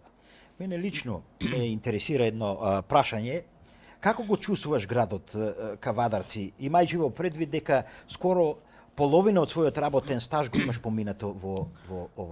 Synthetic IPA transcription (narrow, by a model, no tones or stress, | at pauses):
mɛnɛlit͡ʃnɔmɛint̪ɛɾɛsiɾaɛd̪nɔpɾaʃaɲɛ | kakɔɡɔt͡ʃust̪vuvaʃɡɾad̪ɔt̪kavad̪aɾt̪siimajt͡ʃivɔpɾɛd̪vid̪̚ːɛkaskɔɾɔ | polˠɔvinaɔt̪svɔjɔt̪ɾabɔt̪ɛnst̪aʒɡɔimaʃpɔminat̪ɔvɔvɔɔva